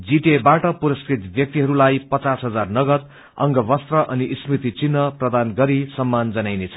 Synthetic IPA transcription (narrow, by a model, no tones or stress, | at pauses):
d͡ziʈebaʈʌpuɾʌskrit̪bjʌk̚t̪iɦʌɾulajpʌt͡sasɦʌd͡zarnʌɡʌt̪̚ | ʌ̰ŋɡʌbʌst̪rʌʔʌniʔismrit̪it͡sinːʌprʌd̪anɡʌɾisʌmːand͡zʌnajnet͡sʰʌ̥